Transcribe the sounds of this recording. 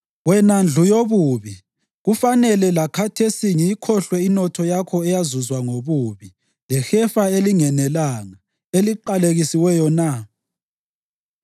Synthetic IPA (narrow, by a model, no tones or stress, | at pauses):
wɛnand͡ɮʱujoβuːβi | ɣufanɛlɛlakʰatʰesiŋikʰɔɬwɛinɔtʰɔjakʰɔɛjazuzwaŋoβuːβi | lɛxɛfaeliŋɛnɛlaːŋa | eliǃaleɣisiwɛjɔna